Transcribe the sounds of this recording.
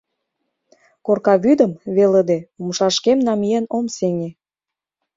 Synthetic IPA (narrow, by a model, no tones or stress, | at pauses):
korkɑβyd̪əmβeləd̪eumʃɑʃkemnɑmijenomseŋe